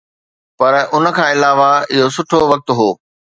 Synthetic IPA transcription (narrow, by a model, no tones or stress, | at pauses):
pɐɾʔʊnə̆kʰãːɪlaːʋaɪɦosʊʈʰoʋɐk̚t̪ɦoː